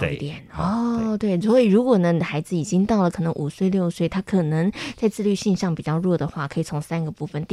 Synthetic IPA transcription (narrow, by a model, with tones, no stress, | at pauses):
t̪jɛ˨˩˦nɔ˥˩t̪we˥˩ɪswɔ˧˥i˨˩ɻu˧˥kwɔ˨˩nə˦xa˧˥ɪd͡zɹ̩˨˩i˨˩t͡ɕi˥ŋt̪ɑ˥˩ʊlə˩kʰɤ˨˩nə˧˦ŋʔu˨˩swe˥˧ɪljo˥˧ʊswe˥˩ɪt̪ʰa˥kʰɤ˨˩nə˧˥ŋt͡sa˥˧ɪt͡sɹ̩˥˧ly˥˧ɕi˥˧nɕɑ˥˩ŋpi˨˩t͡ɕjɑ˥˧ʊɻwɔ˥˩d̪ə˩xwa˥˩kʰɤ˧˥i˨˩t͡sʰo˧˥ŋsa˥nɡə˨pu˥˩fə˩nt̪i˥